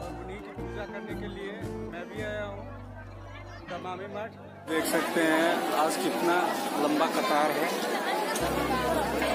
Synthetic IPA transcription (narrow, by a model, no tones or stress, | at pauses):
ɐpnikipuːd͡ʒakɐɾnekeliemɛ̃bʱiaːjaɦũː | d̪ɐma | d̪eːkʰsɐkt̪eɦɛ̃aːd͡ʒkiɪt̪nalɐ̃mbakɐt̪aːɾɦɛː